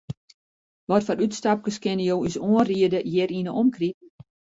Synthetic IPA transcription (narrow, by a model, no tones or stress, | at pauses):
ʋɔtfɔnytstap̚kəskɪnəjoːisoənriədəjɪɾinəʔɔmkrip̚